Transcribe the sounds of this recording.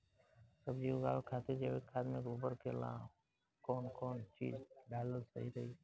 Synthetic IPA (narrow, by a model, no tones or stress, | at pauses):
səbd͡ʒioɡa̰ːlkʰaːt̪ed͡ʒeːʋekʰaːd̪mẽɡuːbəɾkʰelã̰ː | kɔːnkɔːnt͡ʃḭːd͡ʒɖaːləɡsə̰ɦiɾəɦiː